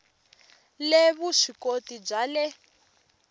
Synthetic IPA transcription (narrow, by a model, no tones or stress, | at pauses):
leβuʂikotib͡ʐalɛ